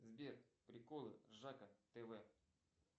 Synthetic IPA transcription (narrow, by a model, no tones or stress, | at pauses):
zbʲerpɾʲɪkolˠɨʐakət̪ɛvɛ